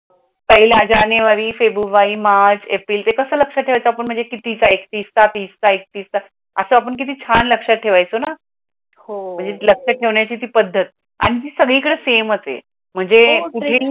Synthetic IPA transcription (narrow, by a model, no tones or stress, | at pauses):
pəɦiljad͡ʑaneʋaɾiːfebɾuʋaiːmaɾt͡ɕepɾiːlt̪ekəsəːləkʂəʈʰeʋajt͡soapəɳm̤əɳd͡zekit̪it͡saekt̪iːst̪at̪iːst̪aek̚t̪iːst̪a | əsəːap̬əɳk̬it̪iːt͡ɕʰanləkʂaʈʰeʋajt͡sona | hom̤əɳd͡zeləkʂəʈʰeʋɳjat͡ɕiːt̪iːpəd̪ʱːət̪̚ | a̰ɽ̃it̪iːsəɡɭiːkəɽesemət͡sḛ | m̤əɳd͡zekuʈʰe